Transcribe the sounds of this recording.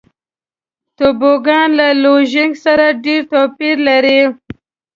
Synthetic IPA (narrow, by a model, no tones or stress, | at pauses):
t̪oboɡɑnlaloʒɪŋɡsaɾaɖeɾt̪opiɾlaɾi